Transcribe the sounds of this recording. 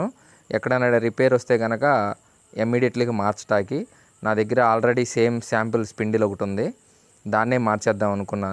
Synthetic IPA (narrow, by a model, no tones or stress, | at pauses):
u | ɛkːɐɽɐnːɐːɽɐɾipeːɾʋɐst̪e̞ːɡɐnɐkɐ | imːiːɽijeʈliɡimaːɾt͡ʃɐ̥ʈaːki | naːd̪ɐɡːɐɾɐaːlɾeɽiseːmsaːmpilspiɳɖilokuʈund̪i | d̪aːnːeːmaːɾt͡ʃɛːd̪ːaːmɐnukunːaː